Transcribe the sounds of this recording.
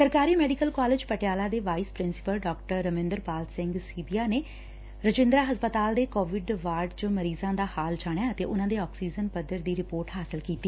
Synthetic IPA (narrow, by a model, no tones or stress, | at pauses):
səɾkaːɾiːmɛːɖɪkəlkaːlɪd͡ʒpəʈejaːlaːd̪eːʋaːiːspɾɪnsɪ̥pəlɖɔːkʈəɾːəmɪ̃nd̪əɾpaːlsɪ̃ŋɡsiːbiːaːneː | ɾəd͡ʒɪ̃nd̪ɾaːɦəspət̪aːld̪eːkoːʋɪɖʋaːɾɖt͡ʃoməɾiːzãːd̪aːhaːld͡ʒaːɽ̃jaːət̪eːʔʊnãːd̪eːɔːksiːd͡ʒənpəd̪ːəɾd̪iːɾɪpoːɾʈɦaːsɪlkiːt̪ːiː